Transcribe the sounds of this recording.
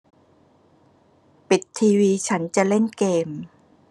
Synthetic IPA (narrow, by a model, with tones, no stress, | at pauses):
pi˨˩t̪ʰːiː˧wiː˧t͡ɕʰa˦˥nt͡ɕa˨˩le˥˩nkeː˧m